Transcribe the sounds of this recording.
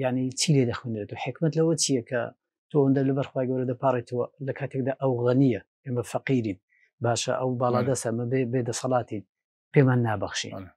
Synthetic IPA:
jaʕnit͡ʃʰiled̪ɐxwend̪ɾet̪uwħɪkmɐt̪lɐwɐt͡ʃijɐkʰɐ̰ | t̪ʰowɐnd̪alɐbɐɾxwaːjɡɐwɾɐd̪apaːɾˤit̪ʰɐwɐlɐkʰaːt̪ʰek̚d̪aːʔɐwɣɐnijɐ | eːmɐfɐqiɾin | baːʃɐ̰ʔɐwbɑːlˠaːd̪ɐst̪ɐmɐbebed̪ɐsɑlɑːt̪in | peːmaːnːaːbɐxʃḭn

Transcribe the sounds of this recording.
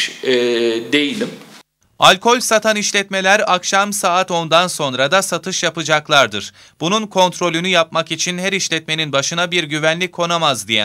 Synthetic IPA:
d̪ejilʲim | alʲkʰo̞lʲsat̪ʰaniʃlʲɛt̪me̞lʲæɾakʃamsaːt̪o̞nd̪anso̞nɾad̪asat̪ʰɯʃjapɯd͡ʒaklˠaɾd̪ɯɾ̥ | b̥ununkʰo̞nt̪ɾo̞lʲynyjap̚makit͡ʃʰinhæɾiʃlʲɛt̪̚me̞ninbaʃɯnabiɾɟyvænlʲikʰːo̞namazd̪ijɛ̰

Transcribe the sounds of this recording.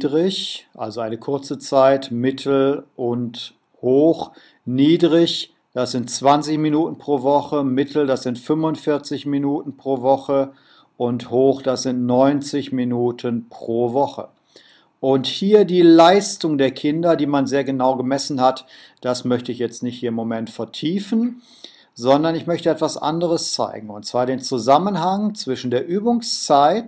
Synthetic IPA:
dʁɪçʔa̰lzoaɪnəkʰʊɐt͡sət͡saɪtmɪtʰl̩ʔʊnt | hoːx | niːdʁɪç | d̥asz̥ɪntt͡sv̥ant͡sɪçminuːtn̩pʁ̥oːvɔχəmɪtʰl̩dasz̥ɪntfʏmʊntfɪɐt͡sɪçminuːtn̩pʁ̥oːvɔχə | ʔʊnthoːxd̥asz̥ɪntnɔʏnt͡sɪçminuːtʰənpʁ̥oːvɔχə̰ | ʔʊnthiːɐdiːlaɪstʊŋdeːɐkʰɪndɐdiːmanzeːɐɡənaʊɡəmɛsn̩hat | d̥asmœçtəɪçjɛt͡stnɪçthiːɐɪmːomɛntfɛɐtʰiːfn̩ | zɔndɐnɪçmœçtəɛtv̥asʔa̰ndəʁəst͡sa̰ɪɡŋ̩ʊntt͡sv̥aːɐɾeːnt͡suzamənɦaŋt͡sv̥ɪʃn̩deːɐʔyːbʊŋst͡saɪt

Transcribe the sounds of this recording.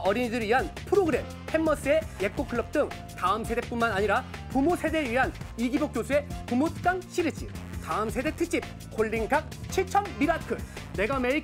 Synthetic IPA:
ʌɾiɲidɯɾɥiɦanpʰɯɾoɡɯɾe̞m | pʰe̞mːʌs͈ɯe̞jek̚k͈okʰɯɭːʌp̚t͈ɯŋ | taɯmsʰe̞de̞kp͈unmanaɲiɾapumosʰe̞deɥiɦaniɡibok͈̚josʰue̞pumot̚k͈aŋɕʰiɾɯt͡ɕ͈ʰip̚taɯmsʰe̞de̞k̚tʰɯk̚t͡ɕ͈ip̚ | koɭːiŋkʰak̚t͡ɕʰit͡ɕʰʌmːiɾakʰɯne̞ɡamei

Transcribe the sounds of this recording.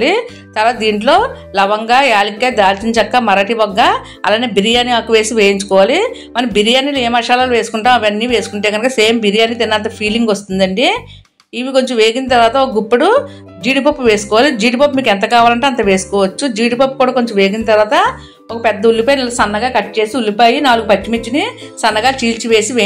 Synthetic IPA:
li | t̪ɐɾʋaːt̪ɐd̪iːɳʈlo̞ː | lɐʋɐŋɡaːjaːlikːeːd̪aːɾt͡ʃiɲt͡ʃɐkːamɐɾɐʈibɐɡːaː | ɐ̰laːneːbiɾijaːniaːkuʋe̞ːsiʋeːjiɲt͡ʃu̥kɔːʋaːli | mɐnibiɾijaːnileːmɐʂaːlaːluʋe̞ːsu̥kuɳʈaːmɐʋɐnːiːʋe̞ːsu̥kuɳʈeːɡɐnɐkɐseːmbiɾijaːnit̪enːɐnt̪̬ɐpʰiːliŋɡost̪und̪ɐɳɖiː | ʋiko̞ɲt͡ʃomʋeːɡind̪t̪ɐɾʋaːt̪ɐokɐɡupːɐɽu | d͡ʒiːɖipopːuʋe̞ːsu̥kɔːʋaːlid͡ʒiːʈipopmiːkɛnt̪̬ɐkaːʋaːlɐɳʈeɐnt̪ɐʋe̞ːsu̥kɔːʋɐt͡ʃːud͡ʒiːʈipop̚ːkuːɽaːko̞ɲt͡ʃomʋe̞ːɡinɐt̪ɐɾʋaːt̪ɐ | okɐpɛd̪ːɐulːipaːjnilːɐsɐnːɐɡaːkɐʈːt͡ʃe̞ːsiulːipaːjinaːluɡupɐt͡ʃːimet͡ʃːini | sɐnːɐɡaːt͡ʃiːlt͡ʃiʋe̞ːsiʋeː

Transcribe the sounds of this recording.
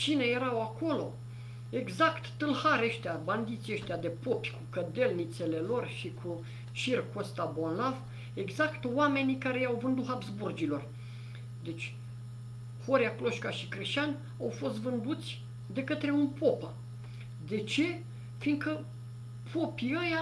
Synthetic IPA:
t͡ʃineje̞ɾawako̞lo̞̰ | eɡzakt̪ːɨlhaɾʲeʃt̪eaband̪it̪sʲiəʃt̪ʲad̪e̞po̞pʲkukəd̪e̞lnit̪se̞le̞lo̞rʃikʰu | t͡ʃirkost̪abo̞nlav | e̞ɡzakt̪wame̞nikaɾe̞jawvɨnd̪uɦabzburd͡ʒilo̞r | d̪e̞t͡ʃʲ | ho̞ɾjaklo̞ʃkaʃikɾeʃanʲ | awfo̞st̪vɨnd̪ut̪sʲ | d̪e̞kət̪ɾe̞unpopa | d̪e̞t͡ʃe̞ | finkə | pʰopiəja

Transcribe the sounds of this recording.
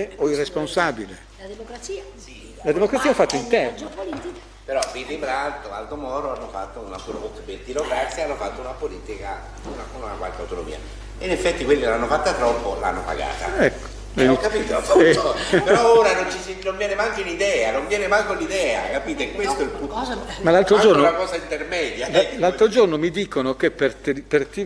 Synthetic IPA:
oirːesponsaːbile | d̪emokɾatsi | i | lad̪emokɾat̪sːiːaɛfːat̪ːaint̪ɛrnopolit̪i | peɾɔpilːibɾalt̪oalt̪omɔːɾoanːofa̰t̪ːounapɾooperd̪ilokarsianːofat̪ːounapoliːt̪ika | unaunnakwa̰lkea̰wt̪ono̰mḭːa̰ | inefːɛt̪ːikwelːilanːofat̪ːat̪ɾɔpːolaa̰nːopa̰ɡa̰ːt̪a̰ɛkː | kːapiːt̪oopeɾɔoːɾanont͡ʃisinoɱvjɛːnemaŋk̪inid̪ɛːanoɱvjɛːnemaŋk̪olːid̪ɛːa̰kapiːt̪ekwest̪oilpumalːalt̪ɾod͡ʒornonakɔːsaint̪ermɛːd̪jalːalt̪ɾod͡ʒornomid̪iːkonokepːert̪pːert̪i

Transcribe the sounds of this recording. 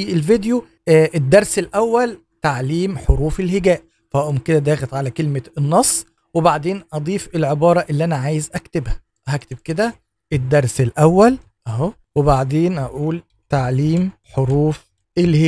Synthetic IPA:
ʔelved̪jo | ʔed̪ːɑɾˤselʔæwːæl | t̪aʕliːmħoɾuːfelheɡæːʔ | fæʔæʔomked̪æd̪æːxæt̪ʕalækelmeenːɑsˤː | webaʕd̪eːnʔɑd̪ˤiːfelʕebɑːɾˤɑʔelːiʔænæʕaːjezʔækt̪ebhæ̥ | ɦækt̪eb̚ked̪æ | ʔed̪ːɑɾˤselʔæwːæl | ʔæɦo | webaʕd̪eːnʔæʔuːl | t̪aʕliːmħoɾuːf | ʔelhe

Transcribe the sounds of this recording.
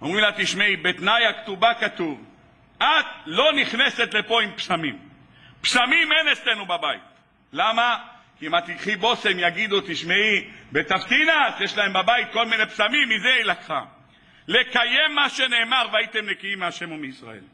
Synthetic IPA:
omʁimlat̪iʃmeibet̪najakt̪ubakat̪uv | ʔat̪lo̞niχne̞se̞t̪le̞po̞impsamim | psamimenet͡sslenubabaḭt̪ | lama | kiimat̪ikχibo̞se̞mjaɡid̪ut̪iʃmeibe̞t̪aft̪inasjeʃlae̞mbabajit̪̚ko̞lmine̞psamimːizeilakχa̰ | le̞kaje̞mːaʃe̞ne̞ːmaʁveait̪emnekiimːeaʃe̞mumeisʁa̰ʔḛl

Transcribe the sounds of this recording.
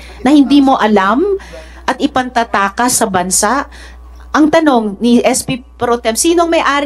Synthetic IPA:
nɐhɪnd̪iːmo̞ʔɐlam | ʔɐt̪ɪpɐnt̪ɐt̪aːkɐsɐbɐnsaʔ | ʔɐŋt̪ɐno̞ŋniʔɛspipɾot̪ɛmsiːnoɐŋmɐjʔaːɾ

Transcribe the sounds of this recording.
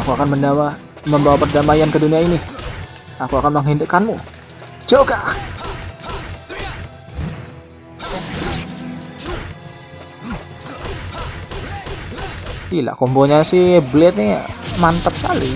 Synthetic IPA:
akuakanmənda | məmbawapərdamajankəduniaini | akuakanməŋɦindəkanmṵd͡ʒoɡa | ila̰ʔkomboɲasɪblɛt̪̚ɲaa̰mant̪ap̚ska̰li

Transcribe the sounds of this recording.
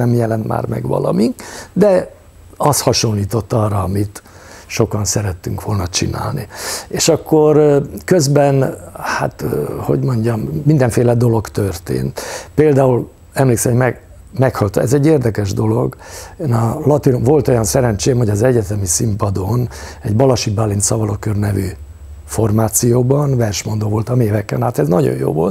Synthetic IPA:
ɛmjɛlɛnt̪ma̰ːrmɛ̰ɡʋɒ̰lɒ̰mikd̪ɛ | ɒshɒʃo̞nliːt̪o̞t̪ːɒrɒːmit̪ | ʃo̞kɒnsɛɾɛt̪ːyŋkʋo̞lnɒt͡ʃḭna̰ːlnieːʃɒkːo̞rkøzbɛnha̰t̪ho̞̰ɟmo̞ɲɟɒmːind̪ɛɱfeːlɛd̪o̞lo̞ɡt̪ørt̪ḛːnt̪peːld̪aːul | ɛmleːksɛmomɛ | mɛkhɒlt̪oɛzɛɟːeːrd̪ɛkɛʒd̪o̞lo̞ɡeːnɒlɒt̪inomvo̞lt̪o̞jɒnsɛɾɛnt͡ʃeːmho̞ɟɒzɛɟɛt̪ɛmisimpɒd̪onɛɟbɒlɒʃibalːinsɒvɒlokørnɛvy | fo̞rmaːt̪sijoːbɒnvɛrʃmo̞nd̪oːvo̞lt̪ɒmeːvɛkːɛnaːt̪ɛznɒɟo̰jo̰ːvo̞̰lt̪

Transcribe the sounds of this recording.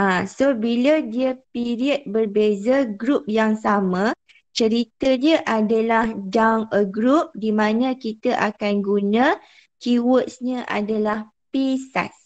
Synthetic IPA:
asobilədiəpiɾiət̪̚bərbezəɡɾup̚jaŋsamã | t͡ʃəɾit̪ədiəʔadalahdanəɡɾup̚dimãnə̃kit̪əʔakanɡunã | kiwəʔsɲə̃ʔa̰dalah | pisa̰s

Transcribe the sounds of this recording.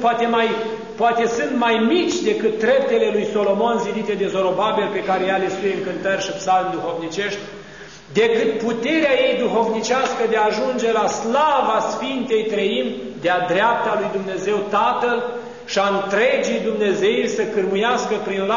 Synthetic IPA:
pat̪emaj | poat̪e̞sɨnt̪majmit͡ʃʲd̪e̞kɨt̪̚d̪ɾe̞p̚t̪e̞le̞lujso̞lo̞mo̞nzivit̪e̞d̪e̞zo̞ɾo̞babe̞lpe̞kaɾejalesujeŋkɨnt̪ərʲʃipsalmd̪uxo̞vnit͡ʃe̞ʃt̪ʲ | d̪e̞kɨt̪̚put̪e̞ɾeaje̞jd̪uxo̞vnit͡ʃaskəd̪eaːʒund͡ʒe̞laslavasfint̪e̞jt̪ɾəim | d̪ead̪ɾeap̚t̪alujd̪umne̞ze̞wt̪at̪əl | ʃiaɨnt̪ɾe̞d͡ʒijd̪umne̞ze̞irʲsəkɨrmujaskəpɾinla

